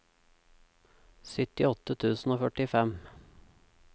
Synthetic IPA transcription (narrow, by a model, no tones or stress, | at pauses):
sʏt̪ɪɔt̪ət̪ʰʉːsn̩oːfœʈɪfɛm